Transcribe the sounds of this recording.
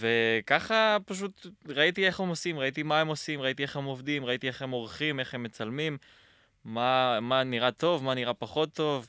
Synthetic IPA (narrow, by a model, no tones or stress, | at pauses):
ve̞kaχapaʃ̬ut̪ʁait̪ie̞χhe̞mo̞simʁait̪imae̞mo̞simʁait̪ie̞χe̞mo̞vd̪imʁait̪ie̞χhe̞mo̞ʁχime̞χe̞mːe̞t͡salmimː | amaniʁat̪o̞vmaniʁapaχo̞t̪ːo̞v